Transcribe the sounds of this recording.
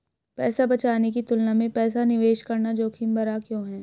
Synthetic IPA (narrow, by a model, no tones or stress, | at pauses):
pɛːsabɐt͡ʃaːnek̬it̪ʊlnamẽpɛːsanɪʋeːʃkɐɾnad͡ʒoːkʰɪmbɐɾakjõːɦɛ̃ː